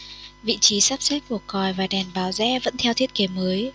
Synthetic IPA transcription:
vḭ˧˨t͡ɕi˨˦saː˦˥p̚sɛ˦˥k̚ku˨˩əkɔ˨˩jvaː˨˩ɗɛ˨˩nɓaː˨˦wzɛ̰˧˥və̰˧˥nt̪ʰɛ˧wt̪ʰi˦˥t̚ke˨˦məː˨˦j

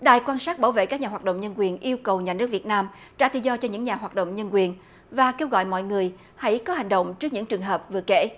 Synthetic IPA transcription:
ɗaː˨˩jkwaː˧nsaː˦˥k̚ɓaː˧˩wvḛ˧˨kaː˦˥k̚ɲaː˨˩waː˨˩t̚ɗə̰˧˨ŋ͡mɲə˧nkwi˨˩ənʔi˧əwkə˨˩wɲaː˨˩nɨ˦˥ək̚vi˨˩ət̚naː˧m | t͡ɕaː˧˥t̪ɨ̰˧˨zɔ˧t͡ɕɔ˧ɲɨ̰˧˥ŋɲaː˨˩ɦwaː˨˩t̚ɗo̰˧˨wŋ͡mɲə˧nkwi˨˩ən | vaː˨˩ke˧wɣɔ̰˧˨jmɔ̰˧˨jŋɨ˨˩əj | ha̰˧˥jkɔ˨˦a˨˩ŋ̟ɗə̰˧˨wŋ͡mt͡ɕɨ˦˥ək̚ɲɨ̰˧˥ŋt͡ɕɨ˨˩əŋɦəː˨˩p̚vɨ˨˩əkḛ˧˥

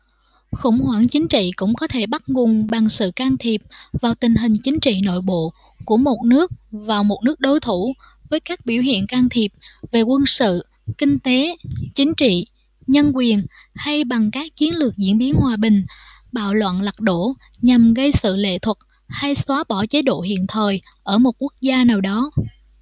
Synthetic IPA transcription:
xʊ̰˧˩ŋ͡mhwaː˧˩ŋt͡ɕï˨˦ŋ̟t͡ɕḭ˧˨kʊ̰˧˥ŋ͡mkɔ˨˦t̪ʰe˧˩ɓa˦˥t̚ŋʊ˨˩ŋ͡mɓa˨˩ŋsɨ̰˧˨kaː˧ŋt̪ʰi˨˩p̚vaː˨˩wt̪ï˨˩ŋ̟ɦï˨˩ŋ̟t͡ɕï˨˦ŋ̟t͡ɕḭ˧˨no̰˧˨jɓo̰˧˨ | ku˧˩əmo˨˩t̚nɨ˦˥ək̚vaː˨˩wmo˨˩t̚nɨ˦˥ək̚ɗo˨˦jt̪ʰu˧˩ | vəː˨˦jkaː˦˥k̚ɓi˧˩əwɦḭ˧˨ənkaː˧ŋt̪ʰi˨˩p̚ve˨˩kwə˧nsɨ̰˧˨ | kï˧ŋ̟t̪e˨˦t͡ɕï˨˦ŋ̟t͡ɕḭ˧˨ | ɲə˧nkwi˨˩ən | ha˧jɓa˨˩ŋkaː˦˥k̚t͡ɕi˨˦ənlɨ˨˩ək̚zḭ˧˥ənɓi˨˦ənhwaː˨˩ɓï˨˩ŋ̟ | ɓa̰ː˧˨wlwə̰˧˨nla˨˩k̚ɗo˧˩ | ɲa˨˩mɣə˧jsɨ̰˧˨lḛ˧˨t̪ʰwə˨˩t̚ | ha˧jswaː˨˦ɓɔ˧˩t͡ɕe˨˦ɗo̰˧˨ɦḭ˧˨ənt̪ʰəː˨˩j | ʔəː˧˩mo˨˩t̚ku˦˥ək̚zaː˧naː˨˩wɗɔ˨˦

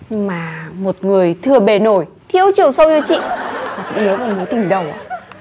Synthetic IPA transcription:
ɲɨ˧ŋmaː˨˩mo˨˩t̚ŋɨ˨˩əjt̪ʰɨ˨˩əɓe˨˩no˨˩j | t̪ʰi˧əwt͡ɕi˨˩əwsə˧wɲɨ˧t͡ɕḭ˧˨maː˨˩kʊ̰˧˥ŋ͡mnəː˨˦va˨˧˩mo˨˦jt̪ɨ˨˩ŋɗə˨˩wʔa̰ː˧˦

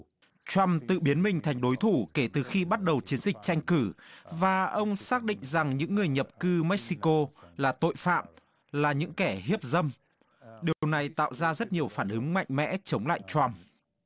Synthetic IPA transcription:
t͡ɕwa˧mt̪ɨ̰˧˨ɓi˨˦ənmï˨˩ŋ̟t̪ʰa˨˩jŋ̟ɗo˨˦jt̪ʰu˧˩ke˧˩t̪ɨ˨˩xi˧ɓa˦˥t̚ɗə˨˩wt͡ɕi˨˦ənzï˨˩k̟̚t͡ɕa˧jŋ̟kɨ˧˩vaː˨˩ʔə˧wŋ͡msaː˦˥k̚ɗḭ̈˧˨ŋ̟za˨˩ŋɲɨ̰˧˥ŋːɨ˨˩əjɲə˨˩p̚kɨ˧mɛ˦˥k̚si˧ko˧laː˨˩t̪o̰˧˨jfa̰ː˧˨m | laː˨˩ɲɨ̰˧˥ŋkɛ˧˩hi˦˥əp̚zə˧m | ɗi˨˩ə˩əwna˨˩jt̪a̰ː˧˨wzaː˧zə˦˥t̚ɲi˨˩əwfaː˧˩nʔɨ˨˦ŋma̰˧˨jŋ̟mɛ̰˧˥t͡ɕə˨˦wŋ͡mla̰ː˧˨jt͡ɕwa˧m

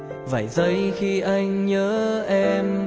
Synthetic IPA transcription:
və̰˧˩˨jzə˧˦jxi˧ʔa˧jŋ̟ɲəː˨˦ʔɛ˧m

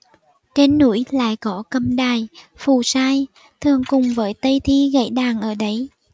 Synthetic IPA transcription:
t͡ɕe˧nːu˧˥əjla̰ː˧˨jkɔ˨˦kə˧˩mɗaː˨˩jfu˨˩saː˧j | t̪ʰɨ˨˩əŋkʊ˨˩ŋ͡mvəː˨˦jt̪ə˧jt̪ʰi˧ɣə̰˧˥˩jɗaː˨˩ŋʔəː˧˩ɗə˨˦j

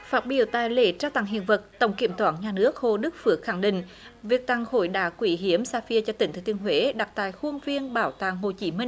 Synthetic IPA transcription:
faː˦˥t̚ɓḭ˧˩əwt̪a̰ː˧˨jlḛ˧˩t͡ɕaː˧wt̪a̰˧˨ŋɦḭ˧˨ənvə˨˩t̚t̪ə̰˧˩wŋ͡mki˧˩əmt̪waː˧˩nɲaː˨˩nɨ˦˥ək̚ho˧˨ɗɨ˦˥k̚fɨ˨˧˩ək̚xa˧˩ŋɗḭ̈˧˨ŋ̟ | vi˨˩ək̚t̪a˧˩ŋho̰˧˨jɗa̰ː˧˩kwi˧˩ɦi˨˦əmsaː˧fi˧ət͡ɕɔ˧t̪ï˧˩ŋɨ˨˧˦t̪i˧ənɦwe˨˦ɗa˨˩k̚t̪a̰ː˧˨jxu˧ənvi˧ənɓaː˧˩wt̪a̰ː˧˨ŋɦo˨˩t͡ɕi˨˦mï˧ŋ̟

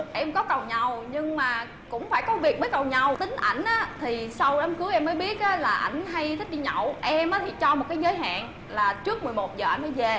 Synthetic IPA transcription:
ʔɛ˧mkɔ˨˦kə˨˩wɲə˨˩wɲɨ˧ŋmaː˨˩ | kʊ̰˧˥ŋ͡mfaː˧˩jkɔ˨˦vi˨˩ək̚ə˨˦jkə˨˩wɲa˨˩wt̪ï˨˦ŋ̟ʔa˧˩jŋ̟ʔaː˨˦t̪ʰi˨˩sa˧wə˨˦mkɨ˨˦wʔɛ˧mːəː˨˦jɓi˦˥ət̚ʔaː˨˦laː˨˩ʔa̰˧˩jŋ̟ɦa˧jt̪ʰi˦˥k̚ɗi˧ɲɔ̰˧˨wʔɛ˧mʔaː˨˦t̪ʰi˨˩t͡ɕɔ˧m˨˩t̚kaː˨˦jzəː˨˦jɦa̰ː˧˨n | laː˨˩t͡ɕɨ˦˥ək̚mɨ˨˩əjmo˨˩t̚zəː˨˩a˧ŋ̟məː˨˦jve˨˩

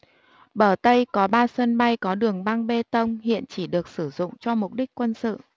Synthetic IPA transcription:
ɓəː˧˩t̪ə˧jkɔ˨˦ɓaː˧sə˧nɓa˧jkɔ˨˦ɗɨ˨˩əŋɓa˧ŋɓe˧t̪ə˧wŋ͡mhḭ˧˨ənt͡ɕi˧˩ɗɨ˨˩ək̚sɨ˧˩zʊ̰˧˨ŋ͡mt͡ɕɔ˧mʊ˨˩k͡p̚ɗi˦˥k̟̚kːwə˧nsɨ̰˧˨

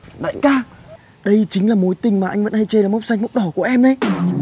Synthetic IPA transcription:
ɗə̰˧˨kaː˧˩ | ɗə˧jt͡ɕï˨˦ŋ̟laː˨˩mo˨˦jt̪ï˨˩ŋ̟maː˨˩ʔa˧ŋ̟və̰˧˥nha˧jt͡ɕe˧laː˨˩m˦˥wk͡p̚sa˧jŋ̟mə˦˥k͡p̚ɗɔ˧˩ku˧˩əʔɛ˧mɗə˨˧˦j

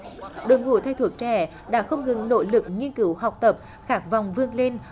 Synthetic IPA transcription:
ɗoː˨˩jŋṵ˧˩t̪ʰa˧jt̪ʰu˨˩ək̚t͡ɕɛ˧˩ | ɗa̰ː˧˥xə˧wŋ͡mŋɨ˨˩ŋno̰˧˥lɨ˨˩k̚ɲi˧ənki˨˩˦wɦa˨˩wk͡p̚t̪ə˨˩p̚ | xaː˦˥k̚va˨˩wŋ͡mvɨ˧əŋle˧n

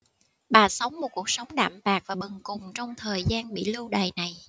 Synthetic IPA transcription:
ɓaː˨˩sə˨˦wŋ͡mmo˨˩t̚ku˨˩ək̚sə˨˦wŋ͡mɗa̰ː˧˨mɓaː˨˩k̚vaː˨˩ɓɨ˨˩ŋkʊ˨˩ŋ͡mt͡ɕɔ˧wŋ͡mt̪ʰəː˨˩jzaː˧nɓḭ˧˨lu˧wɗə˨˩jna˨˩j

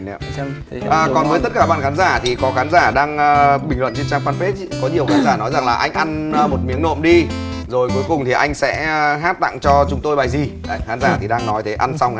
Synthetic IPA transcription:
ʔəː˨˩kɔ˨˩nvəː˨˦jt̪ə˦˥t̚kaː˧˩ɓaː˧nxaː˨˦nzaː˧˩t̪ʰi˨˩kɔ˨˦xaː˨˦nzaː˧˩ɗaː˧ŋəː˧ɓï˨˩ŋ̟lwə̰˧˨nt͡ɕi˧nt͡ɕaː˧ŋkwaː˧nfe˦˥t̚kɔ˨˦ɲi˨˩əwxaː˨˦nzaː˧˩nɔ˨˦jza˨˩ŋlaː˨˩ʔa˧jŋ̟ʔa˧nː˨˧mo˨˩t̚mi˨˦əŋno̰˧˨mɗi˧zo˨˩jku˨˦jkʊ˨˩ŋ͡mt̪ʰi˨˩ʔa˧jŋ̟sɛ̰˧˥˧ɦaː˦˥t̚t̪a̰ː˧˨ŋt͡ɕɔ˧t͡ɕʊ˨˦ŋ͡mt̪o˧jɓaː˨˩jzi˨˩˧xaː˨˦nzaː˧˩t̪ʰi˨˩ɗaː˧ŋnɔ˨˦jt̪ʰe˨˦ʔa˧nsa˧wŋ͡m

